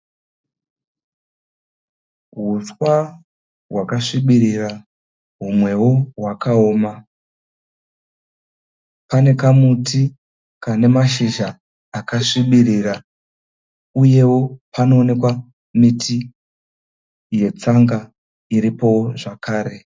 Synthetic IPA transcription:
ɦuswa | ɦwakaʂiɓiɾira | ɦumwe̞wo̞ɦwakao̞ːma | pane̞kamutʰi | kane̞maʃiʒaː | kaʂiɓiɾira | uje̞wo̞pano̞ːne̞kwa | mitʰi | je̞t͡saŋɡa | iɾipo̞ʐakʰaːɾe̞

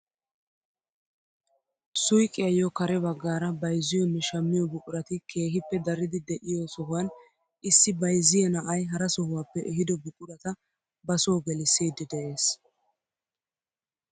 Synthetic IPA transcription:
sʊjkʼːɪjɐjɔkɐɾɛbɐɡːaːɾɐbɐjzɪjɔnːɛʃɐmːɪjɔbʊkʼʊɾɐt̪ɪkʰe̞ːɦɪpːɛd̪ɐɾɪd̪ɪd̪ɛʔɪjosɔɦʊwɐn | ʔɪsːɪbɐjzɪjɛnɐʔɐjɦɐɾɐsɔhʊwaːpːɛʔɛɦɪd̪ɔbʊkʼʊɾɐt̪ɐ | bɐsoːɡɛlɪseːd̪ɪd̪ɛʔe̞ːs

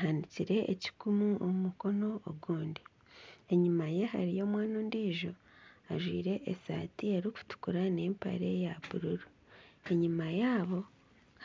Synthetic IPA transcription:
ɦaniciɾe̞ʔḛci̥kumuomumuko̞no̞oɡuːndi | e̞ɲimajeɦa̰ɾijo̞mwaːnoːndiːʒo̞ | aʒwḭːɾe̞ʔesa̰ːtie̞ɾiku̥tu̥kuɾane̞ːmpa̰ɾejaβuɾuɾu | e̞ɲimajaːβo̞

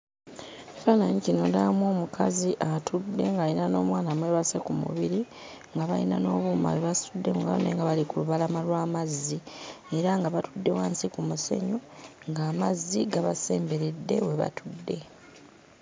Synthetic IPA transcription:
fanaɲicino̞ndamoːmukʰaziʔatʰudːe̞ŋɡalinano̞̰ːmwaːnamwe̞βasekumṵβiɾi | ŋɡaβalḭna̰no̞ːβuːma̰weβasudːe̞muɡa̰o̰neŋɡaβalikuluβalamalwaːmazːi | eɾaŋɡaβatudːe̞waːnsikumuse̞̰ɲoŋɡaːmazːiɡaβase̞ːmbe̞ɾedːe̞̰we̞βa̰tʰudːe̞

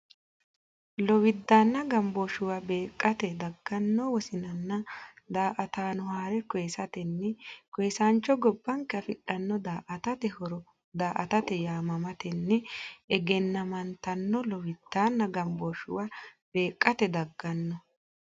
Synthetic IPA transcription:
lɔwɪd̪ːaːnːɐɡɐmboʃʊwabe̞ːkʼːɐt̪ɛd̪ɐɡːɐnːoːwɔsɪnɐnːɐ | d̪aːʔɐt̪aːnʊhaːɾɛkɔjɛsɐt̪ɛnːɛkɔjːsaːnt͡ʃːɔɡɔbːɐŋkɛɐfɪᶑɐnːɔd̪aːʔɐt̪ɐt̪ɛhɔɾɔ | d̪aːʔɐt̪ɐt̪ɛjaːmɐmɐt̪ɛnːɛɛɡɛnːɐmɐnt̪ɐnːɔlɔwɪd̪̥ːaːnːɐɡɐmbɔʃʊ̰wab̥e̞ːkʼːɐt̪ɛd̪ɐɡːɐnːɔ

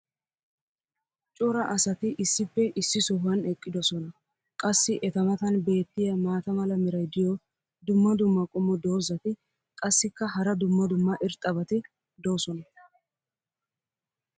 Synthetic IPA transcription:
t͡ʃʼɔɾɐʔɐsɐt̪ɪʔɪsːɪpːɛʔɪsːɪsɔɦɐnɛkʼːɪd̪ɔsɔnɐ | kʼɐsːɪʔɛt̪ɐmɐt̪ɐnbe̞ːt̪ːɪjɐmaːt̪ɐmɐlɐmɪɾɐjd̪ɪjɔ | d̪ʊmːɐd̪ʊmːɐkʼʊmːɔd̪o̞ːzɐt̪ɪ | kʼɐsːɪkːɐhɐɾɐd̪ʊmːɐd̪ʊmːɐʔɪɾt̪ʼːɐbɐt̪ɪ | d̪oːsɔnɐ

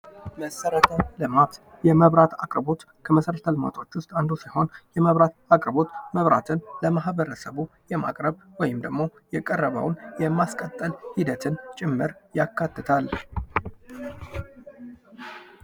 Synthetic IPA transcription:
məsəɾət̪ʰəlɨmat̪ | jɛməβɾat̪ʰa̰kʼɾbo̞t̪ | kʰəməsəɾət̪ʰəlɨma̰t̪ʰʼot͡ʃːʊst̪ʼand̪usiho̞njɛməβɾat̪akʼɾbo̞t̪məβɾa̰t̪ʰɨnləmaɦβəɾəsəβujɛma̰kʼɾəβwɔjɪmd̪əɡmo̞jɛkʼərːəβə̰wnjɛmaskʼət̪ʼːəlhid̪ət̪ʰɨnt͡ʃʼɪmːɨɾjakʰːat̪ːɨt̪ʰal

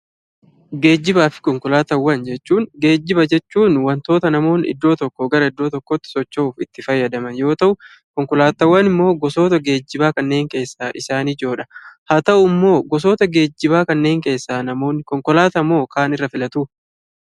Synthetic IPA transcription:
ɡe̞ːd͡ʒːɪbaːfɪ̥kɔŋkɔlaːt̪ɐwːɐnd͡ʒɛt͡ʃːuːŋɡe̞ːd͡ʒːɪbɐd͡ʒɛt͡ʃːuːnwɐnt̪o̞ːt̪ɐnɐmo̞ːnɪ̰d̪ːo̞ːt̪ɔkːɔɡɐɾɐɪd̪ːo̞ːt̪ɔkːot̪ːɪ̥sɔt͡ʃːoːfɪt̪ːɪfɐjːɐd̪ɐmɐnjo̞ːt̪ɐʔʊ | kɔŋkɔlaːt̪ɐwːɐnɪmːo̞ːɡɔso̞ːt̪ɐɡe̞ːd͡ʒːɪbaːkɐnːe̞ːŋke̞ːsːaːʔɪsaːniːd͡ʒo̞ːᶑɐ̥haːt̪ɐʔʊmːo̞ːɡɔs̬oːt̪ɐɡe̞ːd͡ʒːɪbaːkɐnːe̞ːŋke̞ːsːaːnɐmo̞ːnːɪkɔŋkɔlaːt̪ɐmːo̞ːkaːnɪrːɐfɪlɐt̪uː

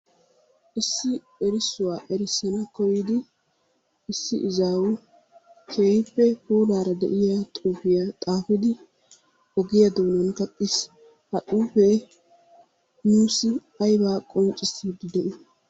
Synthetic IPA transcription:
ʔɪsːɪ | ɛɾɪsːʊwaːʔɛɾɪsːɐnɐkɔjɪd̪ɪ | ɪsːɪʔɪzaːwʊ | kʰeːjɪpːɛhuːlaːɾɐd̪ɛ̰ʔɪjat̪ʼuːfɪjat̪ʼaːfɪd̪ɪ | ɔɡɪjɐd̪oːnɐnkɐt̪ʼːɪs | hɐtʼuːfe | nuːsɪ | ɐjbaːkʼɔnt͡ʃʼːɪsiːd̪ɪd̪ɛʔɪ

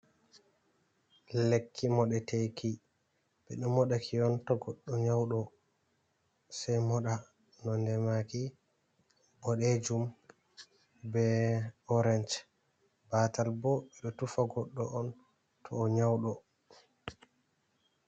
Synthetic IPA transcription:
lekʰːimɔɗɛtejki | bɛɗɔmɔɗakʰiɔntɔɡɔɗːɔɲawɗɔ | sajmɔɗa | nɔndɛmaki | ɓɔɗɛd͡ʒum | bɛɔɾɛnt͡ʃ | batalbɔɓɛɗɔtufaɡɔɗːɔʔɔn | tʰɔːɲawɗɔ

